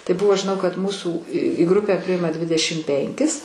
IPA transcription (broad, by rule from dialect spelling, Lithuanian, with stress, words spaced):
tɐɪ ˈbʊʋoː ʒʲɪˈnɐʊ kɐt ˈmuːsuː iː ɡrʊpʲɛ ˈpʲrʲɪɪmɐ ˈdʲʋʲɪdʲɛʃʲɪm ˈpʲɛŋʲkʲɪs